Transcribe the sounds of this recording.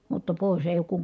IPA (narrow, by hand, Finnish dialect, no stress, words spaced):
mutːɑ poˑis eˑij oːk kuŋ